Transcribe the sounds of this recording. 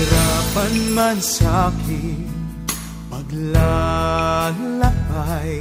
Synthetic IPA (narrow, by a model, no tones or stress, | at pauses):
ɾapɐnmɐnsaki | pɐɡla | lɐpaj